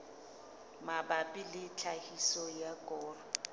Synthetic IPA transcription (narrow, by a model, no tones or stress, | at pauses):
mabapʼɪlɪt͡ɬʰahisɔjakʼɔːrɔ